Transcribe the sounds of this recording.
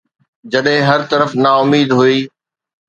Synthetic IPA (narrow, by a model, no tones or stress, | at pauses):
d͡ʑɐɗɦɪ̃ɦɐɾt̪ɐɾəfnaːʊmiːd̪ɦuiː